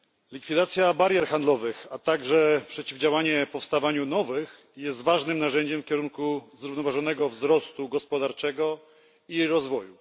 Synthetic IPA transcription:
lʲikfʲid̪at̪sʲjabaɾjɛɾxand̪lɔvɘxat̪aɡʐɛpʂɛt͡ɕivd͡ʑawaɲɛpɔfst̪avaɲunɔvɘx | jɛst̪vaʐnɘmnaʐɛɲd͡ʑɛmfkʲɛɾuŋkuzɾuvnɔvaʐɔn̪ɛɡɔvzɾɔst̪uɡɔspɔd̪aɾt͡ʂɛɡɔ | iɾɔzvɔju

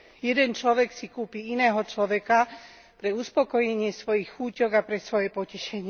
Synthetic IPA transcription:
jɛd̪ɛnt͡ʃlɔʋɛksikuːpiinɛːɦɔt͡ʃlɔʋɛka | pɾɛuspɔkɔjɛɲɪɛsʋɔjixxuːcɔɡapɾɛsʋɔjɛpɔcɛʃɛɲɪɛ

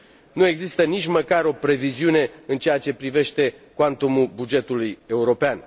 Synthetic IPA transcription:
nue̞ɡzist̪ənit͡ʃʲməkaɾo̞pɾe̞viziune̞ɨnt͡ʃejat͡ʃe̞pɾive̞ʃt̪e̞ | kwant̪omulbud͡ʒe̞t̪uluje̞uɾo̞pean

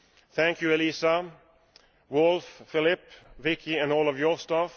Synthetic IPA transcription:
θæ̃ŋkjʉɛlisa | wʊlffɪlɪpvɪkʰɪæ̃nɔːlˠɔvjɔstɑf

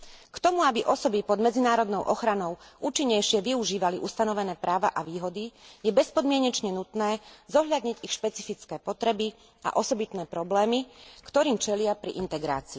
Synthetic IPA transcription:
kt̪ɔmuabiʔɔsɔbipɔd̪mɛd͡zinaːɾɔd̪nɔʊʔɔxɾanɔʊuːt͡ʃiɲːɛjʃɪɛʋiuʒiːʋaliʔust̪anɔʋɛnɛːpɾaːʋa̰ʔaʋiːɦɔd̪ijɛbɛspɔd̪mɪɛɲɛt͡ʃɲɛnut̪nɛːzɔɦʎad̪ɲiɟixʃpɛt͡sifit͡skɛːpɔt̪ɾɛbi | a̰ʔɔsɔbit̪nɛːpɾɔblɛːmikt̪ɔɾiːmt͡ʃɛlɪapɾḭʔint̪ɛɡɾa̰ːt͡siː

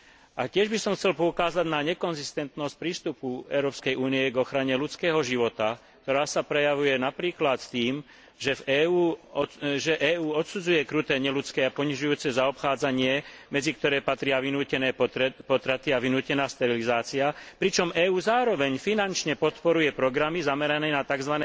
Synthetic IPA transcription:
ʔacɪɛʒbisɔmxt͡sɛlpɔukaːzaɟnaɲɛkɔnzist̪ɛnt̪nɔsc̚pɾiːst̪upuɛ̰ʊɾɔːpskɛjuːniɛɡɔxɾaɲɛlut͡skɛːɦɔʒiʋɔt̪ak̚t̪ɔɾaːsapɾɛjaʋujɛnapɾiːklat̪t̪iːm | ʒɛvɛːuː | ʒɛʔɛːuːɔt̪sud͡zujɛkɾut̪ɛːɲɛlut͡skɛːapɔɲiʒujuːt͡sɛzaɔpxaːd͡zaɲɪɛmɛd͡zik̚t̪ɔɾɛːpat̪ɾɪaʋinuːcɛnɛːpɔt̪ɾat̪iaʋinuːcɛnaːst̪ɛɾilizaːt͡siapɾit͡ʃɔmɛːuːzaːɾɔʋɛɲfinant͡ʃɲɛpɔt̪pɔɾujɛpɾɔɡɾamizamɛɾanɛːnat̪aɡzʋanɛ

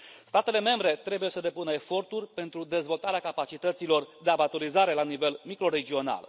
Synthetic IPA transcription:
st̪at̪e̞le̞me̞mbɾe̞t̪ɾe̞buje̞səd̪e̞punəefo̞rt̪urʲpe̞nt̪ɾud̪e̞zvo̞lt̪aɾeakapat͡ʃit̪ət̪silo̞rd̪e̞abat̪oɾizaɾe̞lanive̞lmikɾo̞ɾe̞d͡ʒio̞na̰l

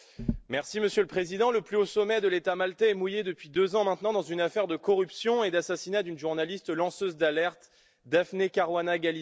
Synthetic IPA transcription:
mɛʁsiməsjøləpχezid̪ɑ̃ləplyosɔmɛd̪əlet̪amalt̪ɛɛmujed̪əpɥid̪øzɑ̃mɛ̃t̪nɑ̃d̪ɑ̃zynafɛʁd̪əkɔʁypsjɔ̃ed̪asasinad̪ynʒuʁnalist̪lɑ̃søzd̪alɛʁt̪ | d̪afnekaʁwanaɡali

